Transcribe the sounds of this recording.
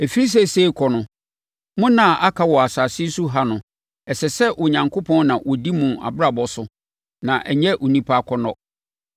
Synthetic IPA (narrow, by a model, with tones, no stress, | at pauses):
e˨fi˦i˦s̬ɛ˦˨se˦i˦kʰɔ˨nʊ̃˨ | mʊ̃˦nã˨ʔa˦kʰa˦wɔ˨a˨saː˨sɪ˦su˦ɦa˦nʊ̃˨ | ɛ˨sɛ˨sɛ˦ʔʊ˨ɲã˨ŋkʰo˦pʰɔ̃˦nnã˨wɔ˨di˦mũ˨a̰˨bɾa˨bɔ˦sʊ˦ | nã˨ʔɛ˨ɲɛ˦ʔʊ˨nĩ˦pʰa˦a˨kʰɔ˦nɔ˦